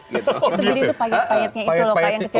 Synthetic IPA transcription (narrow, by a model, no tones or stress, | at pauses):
it̪ubilit̪upajɛt̪̚pajɛt̪̚ɲait̪ulokajaŋkət͡ʃi